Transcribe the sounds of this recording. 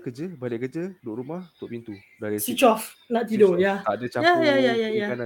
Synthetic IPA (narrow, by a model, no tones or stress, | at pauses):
kəd͡ʒəbalɪʔkəd͡ʒədoʔɾumahut̪ʊʔpint̪udalisit͡ʃɔfnaʔt̪idojat̪adət͡ʃajajajajajakana